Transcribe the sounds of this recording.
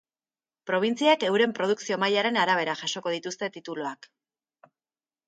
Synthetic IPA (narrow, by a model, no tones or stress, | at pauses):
pɾo̞β̞int͡siake̞wɾe̞mpɾo̞ð̞uksio̞majaɾe̞naɾaβe̞ɾaʝaʃo̞ko̞ð̞it̪ust̪e̞t̪it̪uloak